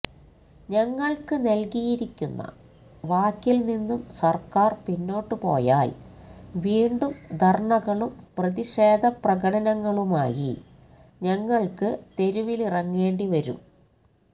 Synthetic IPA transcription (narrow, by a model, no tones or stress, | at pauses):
ɲɐŋːɐɭkɨnɐlkijiɾikʲːunːɐ̰ | ʋaːkːilninːumsɐrkaːrpinːo̞ːʈːɨpo̞̰ːjaːlʋiːɳɖumd̪ʱɐrɳɐɣɐɭumprɐðiʂe̞ːd̪ʱɐprɐɣɐɽɐnɐŋːɐɭumaːjḭ | ɲɐŋːɐɭkɨt̪e̞ɾuʋilirɐŋːe̞ːɳɖiʋɐɾṵm